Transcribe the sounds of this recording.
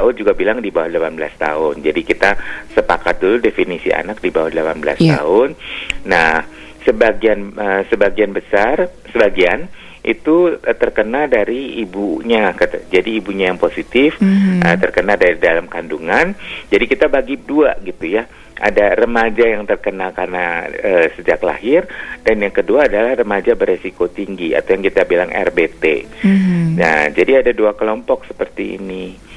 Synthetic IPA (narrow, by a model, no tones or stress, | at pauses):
aʊd͡ʒuɡabilaŋdibawahdəlapanbəla̰st̪a̰ʊnd͡ʒadikit̪asəpakat̪̚duludefinisiʔa̰nak̚dibawahdəlapanbəla̰st̪a̰ʊnːah | səbaɡianəsəbaɡianbəsar | səbaɡian | ʔḭt̪uət̪ərkənaldaɾiːbuɲakat̪d͡ʒadiːbuɲajaŋposit̪ɪfət̪ərkənaldaɾidalamkanduŋand͡ʒadikit̪abaɡiduaɡit̪uja | ʔa̰darəmad͡ʒajaŋt̪ərkənalkarnaəsəd͡ʒakla̰ɦɪrdanjaŋkəduaːdalahrəmad͡ʒabəɾesikot̪iŋɡia̰t̪awjaŋkit̪abilaŋʔɛ̰rbet̪ḛ | nad͡ʒadiadaduakəlɔmpɔksə̥pərt̪iḭni